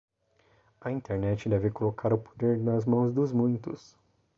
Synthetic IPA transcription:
ɐĩt̪eɾnɛt͡ʃɪd̪ɛvɪkolokʰaɾʊpʰo̥d̪eɾnɐzmɐ̃w̃zd̪ʊzmũj̃t̪ʊs

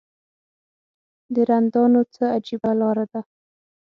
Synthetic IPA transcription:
d̪əɾand̪ɑnot͡səad͡ʒibalɑɾad̪a

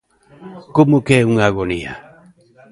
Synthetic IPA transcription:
kumukeuŋaɡonia̰

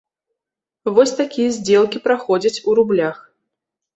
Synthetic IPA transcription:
vɔsʲt̪akʲijɐzʲd͡zʲɛlˠkʲipɾaxɔd͡zʲɐt͡sʲuɾublʲax

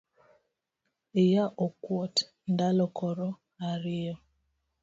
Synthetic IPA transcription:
ijaʔɔkwɔt | ndalɔkɔɾɔ | aɾiɔ

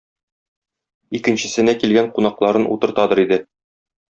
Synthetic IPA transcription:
ikɘ̆nɕɘ̆sɘ̆nækilɡæɴqunɑqlˠɑɾɤnʔṵt̪ɤ̆ɾt̪ɑd̪ɤ̆ɾid̪ɘ

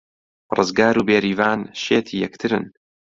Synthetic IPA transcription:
rɨzɡaːɾuːbeːɾiːvaːnʃeːt̪ʰiːjɛkt̪ʰɨɾɨ̰n

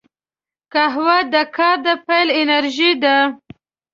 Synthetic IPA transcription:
kaɦwad̪əkɑɾd̪əpajlɪnaɾʒid̪a

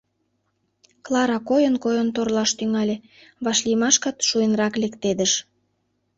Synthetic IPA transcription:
klɑɾɑkojənkojənt̪orlɑʃt̪yŋɑlʲe | βɑʃlijmɑʃkɑt̪ʃujənrɑklekt̪ed̪əʃ

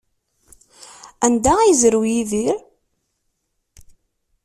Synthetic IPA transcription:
ænd̪æijzɾwjiðiɾ

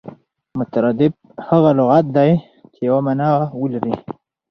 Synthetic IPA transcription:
mʊt̪aɾad̪ɪb̚ | haɣalʊɣat̪̚d̪aj | t͡ʃejawamanaawəlaɾi

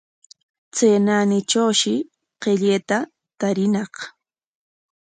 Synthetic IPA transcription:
t͡seːnanɪʈ͡ʂawʃɪ | qeʎeːt̪a | t̪aɾɪnɑχ

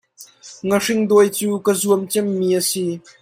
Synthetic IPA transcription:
ŋərɪŋd̪ɔjt͡suːkəzuəmt͡sɛmːiːʔəsi

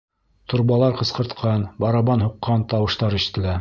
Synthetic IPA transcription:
t̪uɾβɑlˠɑɾqɤ̆sqɤ̆ɾt̪qʰɑnbɑɾɑβɑnhuqːɑnt̪ɑwɤ̆ʃt̪ɑɾɘ̆ʃɘ̥̆t̪ɘ̆læ

